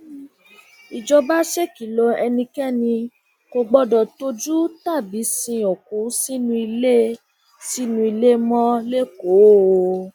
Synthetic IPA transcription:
i˨d͡ʒɔ˧ba˦ʃe˦ki˨lɔ˧˦ɛ˧nĩ˧kɛ˦˨nĩ˧ | ko˧ɡ͡bɔ˦dɔ˨to˦d͡ʒu˦ta˦˨bi˨˦sĩ˧o˨kũ˨˦si˦nũ˧i˧le˦ | si˦nũ˧i˧le˦mɔ̃˦le˦ko˨˦

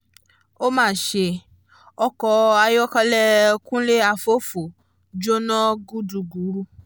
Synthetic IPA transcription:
o˦mãː˦˨ʃe˧ | ɔ˧kɔ˧a˧jɔ˦ka˧lɛ˦kũ˦le˦a˧fo˦fo˨ | d͡ʒo˦nã˦ɡu˦du˧˨ɡu˨˦ɾu˦

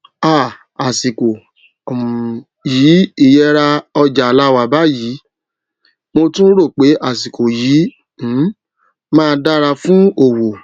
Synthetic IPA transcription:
a˦˨ | a˨si˨ko˨ | jiː˨˦i˦˧jɛ˧ɾa˧ɔ˧d͡ʒa˨la˦wa˧˨ba˦jiː˨˦ | mo˧tũ˦ɾo˦˨k͡pe˨˦ʔa˨s̬i˨ko˨jiː˨˦ | m̩˨˦ | mãː˦˧da˦ɾa˧fũ˦o˦˨wo˨

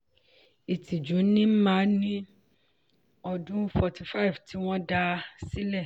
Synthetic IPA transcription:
i˨ti˨d͡ʒũ˨˦nĩ˦m̩˦mã˨˦nĩ˦ | ɔ˧dũ˦fɔ˨ti˨fa˦i˨ftʰi˨˦w̃ɔ̃˦da˧si˦lɛ˦˨

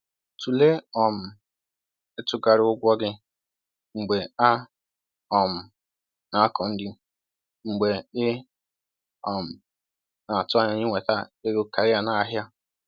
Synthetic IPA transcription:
tʰu˨le˦ɔ˨m̩˨ | ɪ˦tʊ˦ɡa˨ɾɪ˨˦ʊ˦ɡʷɔ˦ɡɪ˦ | ŋ͡m̩˨ɡ͡be˨a˦ | ɔ˨m̩˨ | na˨˦a˦kɔ˨n̩˦dɪ˦ | ŋ͡m̩˨ɡ͡be˨ɪ˦ | ɔ˨m̩˨ | na˨tʊ˦a˨ɲa˨ɲɪ˦ŋʷe˨ta˦ɪ˦ɡo˦ka˨ɾɪ˦a˨na˦a˦ɦja˦

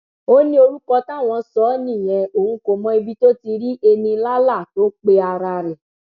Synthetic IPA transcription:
o˦nĩ˦o˧ɾu˦kɔ˧tã˦˨w̃ɔ̃˧sɔ˨˦nĩ˦˨j̃ɛ̃˨˧o˨ũ˧ko˨mɔ̃˨˦i˧bi˦to˦ti˧ɾi˦ʔe˧nĩ˧la˦la˦˨to˨˦k͡pe˧˦a˧ɾa˧ɾɛ˨

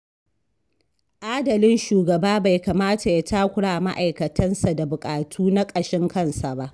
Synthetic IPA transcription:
ʔaː˦dɐ˨lɪ˦nʃuː˨ɡɐ˨baː˦ba˨jka˨maː˦ta˨ja˦taː˦kʷʊ˦ɽaː˨ma̰˦ʔa˨jkɐ˨tʰɐ˦nsa˨da˨bʊ˨kʼaː˨tʰuː˦na˦kʼɐ˨ʃɪ˦ŋkɐ˦˨nsa˨ba˦ʔ

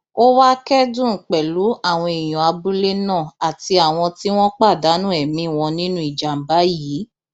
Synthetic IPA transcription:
o˦wa˦kɛ˦dũ˦˨k͡pɛ˨lu˨˦ʔa˦˨w̃ɔ̃˧e˨j̃ɔ̃˨a˧bu˦le˦nã˦˨a˨ti˧a˨w̃ɔ̃˧ti˦w̃ɔ̃˦k͡pa˦˨da˨˦nũ˦ɛ˨mĩ˦˨w̃ɔ̃˧nĩ˦nũ˦i˦˨d͡ʒa˨m̩˨ba˨˦jiː˨˦

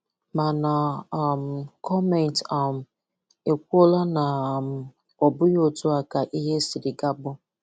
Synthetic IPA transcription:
ma˨na˨˦˨m̩˨kʰɔ˦mɛ˨n˨ta˦˨m̩˨ | e˨kʷu˦o˦la˦na˨m̩˨ | ɔ˨bʊ˦jo˦tʊ˦a˨ka˨ʔi˦ɦe˦si˨ɾɪ˨ɡa˦bʊ˦

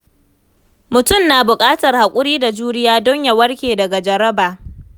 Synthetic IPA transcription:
mʊ˨tʊ˦mnaː˨bʊ˨kʼaː˦tɐ˨rha˨kʷʼʊ˦ɽiː˦da˨d͡ʒuː˦nɪ˦jaː˦dɔ˦ɲja˨wɐ˦rkʲeː˨dɐ˨ɡa˨d͡ʒɐ˨ɾɐ˦baː˨

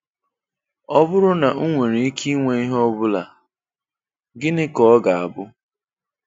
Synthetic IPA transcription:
ɔ˦bʊ˦ɾʊ˦na˨u˦ŋʷe˨ɾe˨i˦kʰi˦ŋʷe˨i˦ɦɔ˦bʊ˦la˨ | ɡɪ˦nɪ˦kɔ˦ɡa˨a˨bʊ˦

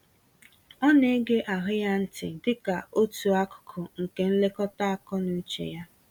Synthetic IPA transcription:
ɔ˦ne˦ɡe˦ʔa˨ɦʊ˦ja˦n̩˦tɪ̰˨dɪ˦ka˨o˦tu˨a˦kʊ̥˨kʰʊ˨ŋ̩˨ke˨n̩˦le˦kɔ˦ta˦a˨kɔ˦nu˦t͡ʃḛ˨ja˦

